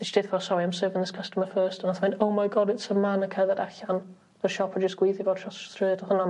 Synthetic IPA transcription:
ðɪsd̥ɪθvɔsɔɾiamsɜːvɪ̃ŋðɪskʰəstəməfɜːˑstanaθmɪ̃ndowmajɡɔdɪtsəmanəkʰajðadaɬan | ərʃɔpʰɔd͡ʒəsɡ̥wiːθivoːdʰɔ̥θrɨðɛdɔhʊna

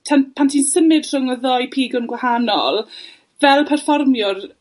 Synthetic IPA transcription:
tʰanpʰantʰiːnsəmɪd̥r̥ɔŋɔðɔjpʰiːɡʊnɡwahanɔ̰lˠ | vɛlˠpʰɛrfɔrmjʊr

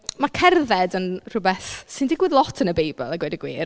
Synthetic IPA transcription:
makʰɛrðɛdənr̥ʊbɛθsɨndɪɡwɪðlˠɔtʰənəbejbə̰lˠaɡwɛdəɡwḭːr

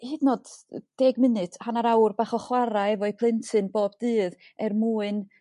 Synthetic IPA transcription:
hɨdnod̥d̥eːɡmɨnɨtʰhanaɾawrbaːχɔχwaɾaɛvɔɨpʰlˠɪntʰɨnboːbdɨːð | ɛrmuːɨn

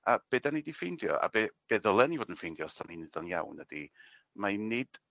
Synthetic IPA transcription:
ab̥eːdanidifejndjɔ̰ʔa̰beb̥ɛðəlˠɛnivoːdənfejndjɔstʰaninɪðɔnja̰wnəd̥i | mainɪd̥

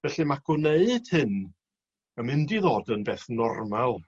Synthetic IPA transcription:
vɛɬɨmaɡʊneɨd̥hɨn | əmɪndiðoːdənbeːθnɔrmalˠ

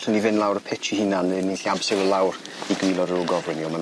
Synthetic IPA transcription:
ɬənivɨnlˠawɾəpʰɛtʰihɪnanniɬiabsɛvəlˠawr | iɡwɪlˠɔɾəɾʊɡɔvwɪniɔman

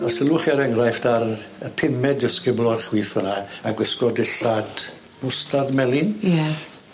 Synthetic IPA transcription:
asəlˠʊχiaɾɛŋrajfdarəpʰɪmɛdəskɪblˠɔarχwiːθhʊnaaɡwəskɔdɪɬad | mʊstadmɛlˠɪnja

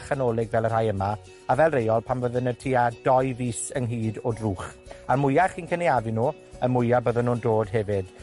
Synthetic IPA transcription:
χənoːlˠɪɡvɛlˠər̥hajəma | avɛlˠrejɔlˠpʰamvəðənətʰiːadɔjviːsənɦiːdodruːχ | amʊjaχiːnkʰəniavɨnuː | əmʊjabəðənːuːndoːdɦɛvɪd̥

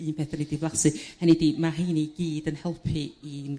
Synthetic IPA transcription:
ɨːnpʰeːθanedivlˠasɨhənedimaɦijniɡiːdənhɛlˠpʰiin

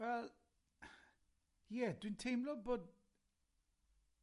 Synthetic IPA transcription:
wɛlˠ | jɛdwĩntʰejmlɔboːd̚

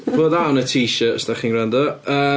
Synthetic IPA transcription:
b̥oːdawnətʰiːʃəəsdaχiːnrandɔəː

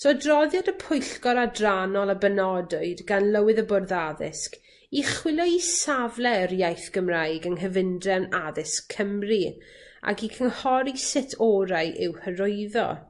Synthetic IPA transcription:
sodrɔðjadəpʰʊjɬkɔɾadranɔlˠabənɔdʊɨdɡanlˠəwɨðəbʊrðaðɪ̰sk | iχwɪlˠɔisavlˠɛɾjajθɡ̥əmrajɡəŋɦəvɪndrɛnaðɪskʰːəmri | a̰ɡikʰənhɔɾisɪtʰɔɾajʔɪwhəɾʊjðɔ̰

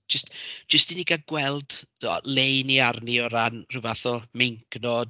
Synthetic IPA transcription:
d͡ʒəstd͡ʒ̥əstiniɡaɡwɛlˠd̥ðɔ̰lejniarniɔɾanr̥ɨvaθɔmeŋknɔd

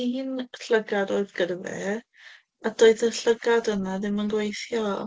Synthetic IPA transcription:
inɬəɡadoɨðɡərvɛ̰ | ad̥oːɨðəɬəɡadənaðɪmənɡwejθjɔ̰

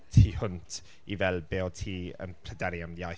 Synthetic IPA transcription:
tʰiːhʊntʰ | ivɛlˠbeːɔtʰiːə̰npʰlɛdɛɾjamjaj

